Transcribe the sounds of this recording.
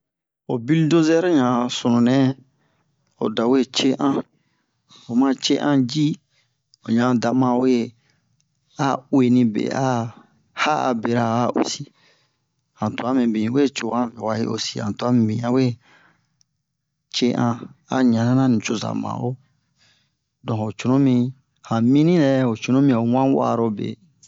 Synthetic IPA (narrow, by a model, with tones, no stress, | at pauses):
o˨bi˦ldo˦zɛ˦ɾɲã˨so˨nũ˨nɛ̃˦ | o̰˨da˨we˦t͡ʃe˦ʔã˦ | o˨mã˦t͡ʃe˦ʔã˦d͡ʒi˦ | o˨ɲã˨da˨mã˨we˦ | a˦we˨nĩ˧bḛ˨a˦ | ha˦a̰˨be˨ɾa˨a˦ʔo̰˨si˦ | hã˨to˨a˦mĩ˨bĩ˨˦we˦˨t͡ʃo˨ã˦mĩ˨wa˧ḭ˦ʔo̰˨si˦ã̰˨tu˨a˦mĩ˨bĩ˨ã˦we˦ | t͡ʃe˦ʔã˧a˦ɲã˨nã˦nã˦nĩ˨t͡ʃo˦za̰˨mã̰˨o˦ | dɔ̃˨o˨t͡ʃo˨nõ˦mĩ˧ | hã˨mĩ˦nĩ˦ɾɛ˧o˨t͡ʃo˨nõ˦mĩ˧˨o˨wã˦wa̰˦˨ɾo˧bḛ˨